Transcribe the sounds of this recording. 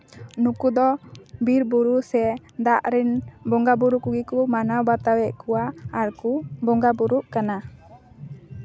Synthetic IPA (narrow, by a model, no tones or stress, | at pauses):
nukud̪ɔbiɾbuɾusɛd̪aʔɾinbɔŋɡabuɾukuɡikumanabat̪awɛʔkuaːɾkubɔŋɡabuɾuʔkana